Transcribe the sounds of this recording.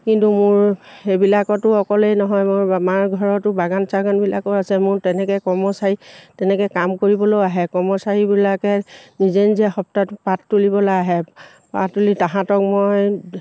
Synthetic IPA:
kintumʊɹxebilakɔtʊɔkɔlejnɔɦɔjmʊɹamaɹɡʱɔɹɔtʊbaɡansaɡanbila̰kɔasɛmʊɹtɛnɛkɛkɔɹmɔsaɹitɛnɛkɛkamkoɹibɔlojaɦɛkɔɹmɔsaɹibilakɛnizenziaxɔp̚tatpatːulibɔlajaɦɛ | pa̰tːulitaɦãtɔk̚moj

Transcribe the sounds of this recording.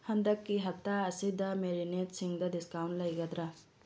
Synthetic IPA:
hɐnd̪ɐkːiɦɐt̪ːaɐsid̪ɐmeɾineʈsiŋɡd̪ɐɖiskawɳʈlɐjɡɐd̪ɾa

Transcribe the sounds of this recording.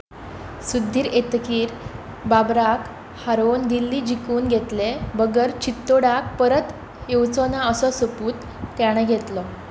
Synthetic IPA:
sud̪ʱːiːɾet̪kiːɾ | babɾak | haɾond̪ilːiːd͡ʑikuːnɡʱet̪lebəɡəɾt͡ɕit̪ːoɽak̚pəɾət̪ | jewt͡sɔnaəsɔsəpuːt̪ː | aɽ̃əɡʱet̪lɔ

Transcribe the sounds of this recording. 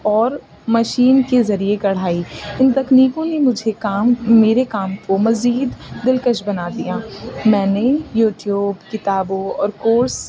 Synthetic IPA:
ɔːɾ | mɐʃiːnkezɐɾiekɐɽ̤aːiɪnt̪ɐkniːkõnemʊd͡ʒʱekaːmmeːɾekaːmkomɐziːd̪ːɪlkəʃbɐnaːd̪ijaːmɛ̃ːnejuːʈjuːbkɪt̪aːbõɔːɾkoːɾs

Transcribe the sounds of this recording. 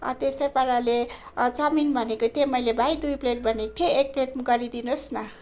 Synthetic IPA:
ʌ̰t̪esʌjpʌɾale | t͡sʌminbʱʌnekot̪emʌjlebʱajd̪ujpleʈ̚bʱʌnet̪ʰeːk̚pleʈ̚mɡʌɾid̪inosnʌ

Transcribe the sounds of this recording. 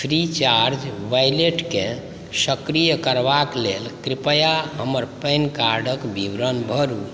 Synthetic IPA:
pʰɾit͡ʃaɾd͡ʒʋajleʈkẽ | səkɾijəkəɾʋaklelkɾipəjaɦəməɾpəjnkaɾɖʱəkbʱiʋɾənbʱəɾu

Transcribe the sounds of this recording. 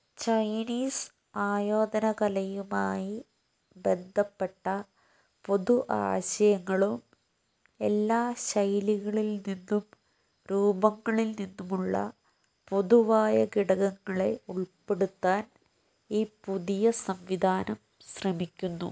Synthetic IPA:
t͡ɕɐjniːs | aːjoːd̪ɐnɐkɐlɐjumaːji | be̞nd̪ʱɐpːe̞ʈːɐ | po̞ðuʔa̰ːɕɐjɐŋːɐɭum | e̞lːaːɕɐjliɣɐɭilninːum | ɾuːbɐŋːɐɭilninːumuɭːɐ̰ | poðuʋaːjɐɡiɽɐɣɐŋːɐɭe̞uɭpe̞ɽut̪ːaːn | iːpuðijɐsɐmʋid̪ʱaːnɐm | ɕrɐmikʲːunːṵ

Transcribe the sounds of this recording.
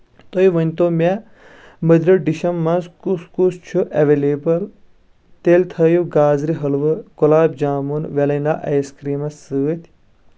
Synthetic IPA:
t̪ojʋɐnʲt̪oːmʲe | məd̪ɾiɖiʃɐmːɐnskuskust͡ʃʰuʔɐʋeleːbɐl | t̪elʲt̪ʰɐjuɡaːzɾiɦɐlʋɨkolaːbd͡ʒaːmunʋelɐjna̰ʔɐjskɾiːmɐsːɨːt̪ʰʲ

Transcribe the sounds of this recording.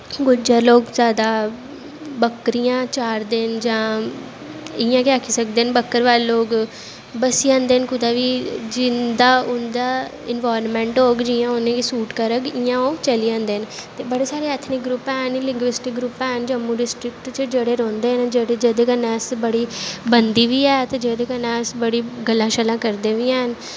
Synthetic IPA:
ɡʊd͡ʒaːloːɡzjaːd̪aː | bəkːɾijãːt͡ʃaːɾd̪eːnd͡ʒãː | ɪjãːkɪaːkʰiːsək̚d̪eːnbəkːəɾʋaːleːloːɡ | bəsiãːnd̪eːənkʊd̪aːʋiːd͡ʒɪnd̪aːʊnd̪aː | ɪnʋaːɾnmɛ̃ːɳʈɦoːɡd͡ʒijãːonẽːkisuːʈkəɾəɡɪjãːoːt͡ʃəliːãːnd̪eːnt̪eːbəɽeːsaːɾeːət̪ʰnɪkɡɾʊpɛːɦənlɪ̃ŋɡʋɪsʈɪkɡɾʊpɛːɦnd͡ʒəmːũːɖɪsʈɾɪkʈt͡ʃd͡ʒeːɽeːɾɔ̃ːnd̪eːɦənd͡ʒeɽed͡ʒed̪eːkənɛːsbəɽiːbənd̪iːʋiːɛːt̪ed͡ʒeːd̪eːkənɛːsbəɽiːɡəlːãːʃəlãːkəɾd̪eːʋiːɛːɦən

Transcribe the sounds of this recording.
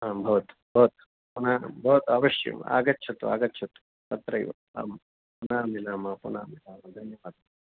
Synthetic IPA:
aːbʱɐʋɐt̪u̥bʱɐʋɐt̪u̥ | punaːbʱɐʋɐt̪uaʋɐʃjɐ̰ma̰ːɡɐtːt͡ʃʰɐt̪ʋa̰ːɡɐtːt͡ʃʰɐt̪u̥ | pɐt̪ɾɐjʋɐ̰ | a̰ːm | punaːmilaːmɐpunaːmilaːmɐd̪ʱɐnjɐʋaːd̪

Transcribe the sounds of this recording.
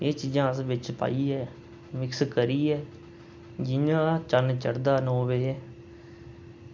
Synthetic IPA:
eːt͡ʃiːd͡ʒãːəsʋɪt͡ʃpa̰ːiːɛː | mɪkskəɾiːɛː | d͡ʒɪjãːt͡ʃənt͡ʃəɽd̪aːnõːʋeː

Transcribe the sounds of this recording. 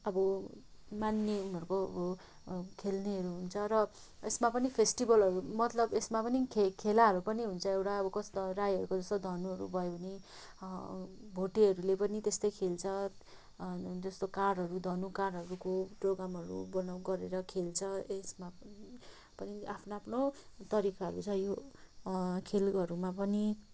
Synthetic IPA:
ʌbʌ | manːeunʌɾkoʌ̰bʌ | kʰelneɦʌɾuɦunt͡sʰʌɾʌ | esmapʌnipʰesʈibʌlɦʌɾumʌt̪lʌbesmapʌnikʰekʰelaɦʌɾupʌniɦunt͡sʰʌewʈaʌbʌkʌsʌrajɦʌɾukod͡zʌst̪od̪ʱʌnuɦʌɾṵbʱʌjouni | bʱoʈiɦʌɾulepʌnit̪est̪ʌjkʰelt͡sʰʌ | d͡zʌst̪okarɖɦʌɾud̪ʱʌnukarɽɦʌɾukoproɡɾamɦʌɾṵbʌnawɡʌɾeɾʌkʰelt͡sʰʌesma | pʌniapʰnoapʰnot̪ʌɾikaɦʌ̰ɾṵt͡sʰʌjo | kʰelʌɾumapʌni

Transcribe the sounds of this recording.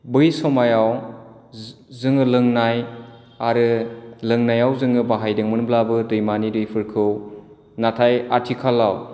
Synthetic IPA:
bɯjsɔmajaw | zɯŋɯlɯŋnaj | aɾɯlɯŋnajawzɯŋɯbaɦajdɯŋmɯnblabɯdɯjmanidɯjpʰɯɾkʰɯw | natʰajatʰikʰalːaw

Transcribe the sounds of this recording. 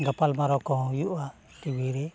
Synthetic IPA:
ŋɡapalmaɾɔkɔɦjuʔa | t̪iwiɾi

